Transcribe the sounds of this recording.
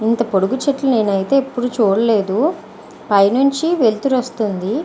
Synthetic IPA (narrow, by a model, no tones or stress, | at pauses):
int̪ɐpoɽuɡut͡ʃeʈlɐne̞ːnɐjit̪e̞ːpːuɽut͡ʃuːɽɐle̞ːd̪u | pɐjnuɲt͡ʃiʋelt̪uɾost̪und̪i